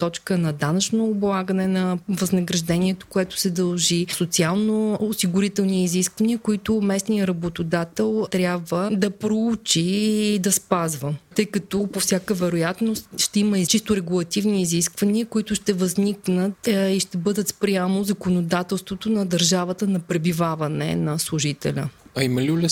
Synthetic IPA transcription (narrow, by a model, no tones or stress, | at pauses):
t̪ɔt͡ʃkənɐd̪anət͡ʃnoːblˠaɡənɛnɐvɐznəɡɾɐʒd̪ɛniɛt̪o̥koɛt̪ʊ̥sɛd̪ɐlˠʒisot̪sialˠnoːsiɡʊɾit̪ɛlˠniːziskvɐniəkoit̪ʊmɛsnijəɾɐbot̪od̪at̪ɛlˠt̪ɾʲjabvəd̪ɐpɾout͡ʃiːd̪ɐspazvət̪ɤjkɐt̪opofsʲjakəvɛɾojat̪nost̪ʃt̪ɛiməit͡ʃist̪ʊɾɛɡulˠɐt̪ivniːziskvɐniəkoit̪ʊʃt̪ɛvəzniknət̪iʃt̪ɛbɤd̪ət̪spɾjamozɐkonod̪at̪ɛlˠst̪vot̪onɐd̪ɐɾʒavət̪ənɐpɾɛbivavɐnɛ̰nɐslˠʊʒit̪ɛ̰lʲə̰ɐimɐlilʲɛ